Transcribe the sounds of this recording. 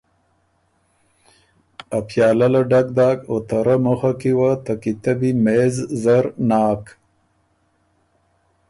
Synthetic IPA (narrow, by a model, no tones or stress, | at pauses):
apʰjaːlalaɖak̚d̪aːkot̪aɾamoxakiwat̪akit̪abimeːzzaɾnaːk